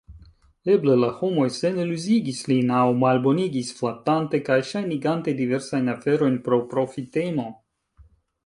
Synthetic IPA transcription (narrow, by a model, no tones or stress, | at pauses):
eblelaho̞mo̞jsenelyziɡislinawmalbo̞niɡisflatante̞kajʃajniɡantediveɾsajnafeɾo̞jnpɾo̞pɾo̞fitemo̞